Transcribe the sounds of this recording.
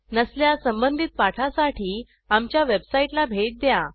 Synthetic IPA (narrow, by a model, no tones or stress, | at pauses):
nəsljasəmbənd̪ʱit̪̚paʈʰasaʈiː | amt͡ɕjaʋebsaiʈlabʱeʈ̪̚d̪ja